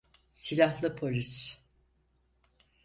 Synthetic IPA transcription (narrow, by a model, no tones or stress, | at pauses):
silʲahlˠɯpʰo̞lʲis